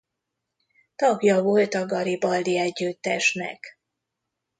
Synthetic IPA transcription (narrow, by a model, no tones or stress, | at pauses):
t̪ɒɡjɒvolt̪ɒɡɒɾibɒld̪iɛɟːyt̪ːɛʃnɛ̰k